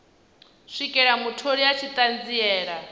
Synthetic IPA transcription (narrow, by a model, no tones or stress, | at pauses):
ʂʷikʼɛɺamutʰoɺiat͡ʃʰit̪ʼand͡ziɛːɺa